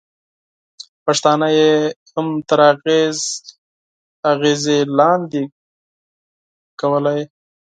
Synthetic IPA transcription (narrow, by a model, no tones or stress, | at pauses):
paʂt̪ɑnajehamt̪aɾɑɣez | aɣezelɑnd̪i | kawəlaj